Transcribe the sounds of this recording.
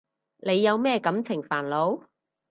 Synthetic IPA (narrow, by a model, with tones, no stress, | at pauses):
le˨˧jːɐ˨˧wmɛː˥kɐ˨˥mt͡sʰɪ˨˩ŋfaː˨˩nlo˨˧w